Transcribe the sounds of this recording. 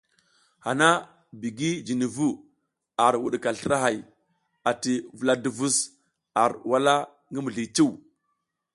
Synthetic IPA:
ha˨na˦ | bi˨ɡi˦d͡ʒi˨ni˨vu˦ | a˨ɾwṵ˨ɗka˨ɬə˦ɾa˦ɦa˨j | a˨ti˨vu˨la˦du˨vu˦s | a˨ɾwa˦la˦ | ŋɡi˦mu˨ɮi˨t͡ʃi˦w

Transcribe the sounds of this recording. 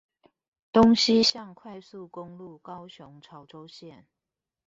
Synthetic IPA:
t̪o˦ŋɕi˦ɕjɑ˥˨ŋkʰwa˥˧ɪsu˥˨kʊ˦ŋlu˥˨kɑ˦ʊɕʊ˨˦ŋʈ͡ʂʰɑ˨˦ʊʈ͡ʂo˦ʊɕjɛ˥˨n

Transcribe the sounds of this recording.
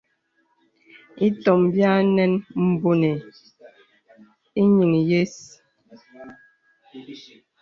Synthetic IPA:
i˦tɔ˨mbja˦nɛ˦nm̩˨bo˨ne˨ | i˦ɲi˨ŋi˨je˦s

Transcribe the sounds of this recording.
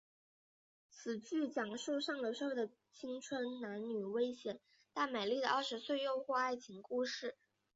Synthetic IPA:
t͡sʰɹ̩˨˩t͡ɕy˥˩t͡ɕjɑ˨˩ŋʂu˥˧ʂɑ˥˩ŋlə˩ʂwɔ˥˧˥d̪ə˩ | t͡ɕʰi˥ŋt͡sʰwə˧˥nna˧˥nny˨˩we˥ɪɕjɛ˨˩˦n | t̪a˥˩me˨˩ɪli˥˩d̪ə˩ʔɐ˞˥˩ʂɻ̩˧˥swe˥˧ɪjo˥˧ʊxwɔ˥˧a˥˩ɪt͡ɕʰi˧˥ŋku˥˧ʂɻ̩˥˩

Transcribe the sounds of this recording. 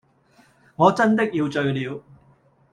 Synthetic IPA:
ŋɔː˨˧t͡sɐ˥nt̪̬ɪ˥k̚jiː˧wt͡sɵ˧ɥliː˨˧w

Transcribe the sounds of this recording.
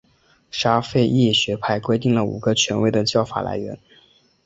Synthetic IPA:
ʂa˥fe˥˧ɪʔi˥˩ɕɥɛ˧˥pʰa˥˧ɪkwe˥ɪt̪i˥˩ŋlə˩ṵ˨˩ɡ̥ə˧˦t͡ɕʰɥɛ˧˥nwe˥˩ɪd̪ə˨t͡ɕjɑ˥˩ʊfa̰˨˩la̰˧˥ɪɥɛ̰˧˥n

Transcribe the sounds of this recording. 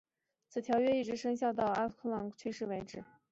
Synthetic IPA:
t͡sʰɹ̩˨˩t̪ʰjɑ˧˥ʊɥɛ˥i˥˩ʈ͡ʂɻ̩˧˥ʂɤ˥ŋɕjɑ˥˧ʊt̪̬ɑ˥˩ʊa˥kʰɤ˥˩lɑ˧˥ŋt͡ɕʰy˥ʂɻ̩˥˩we˧˥ɪʈ͡ʂɻ̩˨˩˦

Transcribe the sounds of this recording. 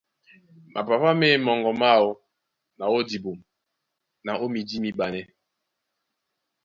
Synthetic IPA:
mʔa̰˨pa˨pa˦me˦mɔ˨ŋɡɔ˨ma˦˨wo˦ | na˨wo˦di˨bo˨m | na˨ʔo˦mi˨di˦mi˦ɓa˨nɛ˦

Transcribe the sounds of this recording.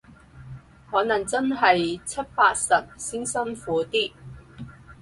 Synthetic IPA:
hɔː˨˥nɐ˨˩ŋt͡sɐ˥nɦɐ˨jt͡sʰɐ˥t̚paː˧t̚sɐ˨p̚siː˥nsɐ˥nfuː˨˥t̪iː˥

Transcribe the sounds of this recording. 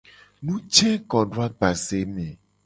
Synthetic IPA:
nũ˦t͡ʃɛ̃˦kɔ̃˨ɖo˦a˦ɡ͡ba˨se˨˦mɛ̃˨

